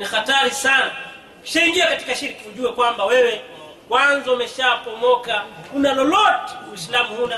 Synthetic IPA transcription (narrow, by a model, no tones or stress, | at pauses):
nixataɾisana | ki̥ʃaiŋɡiakati̥kaʃiɾkiuʄuwɛkwambawɛwɛ | kwanzɔumɛʃapɔmɔkakunalɔlɔtɛ̥muislamuhuna